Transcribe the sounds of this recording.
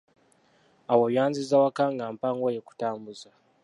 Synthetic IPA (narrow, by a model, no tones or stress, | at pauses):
awoβjaːnzizawakaŋɡampaŋɡwojeku̥taːmbuza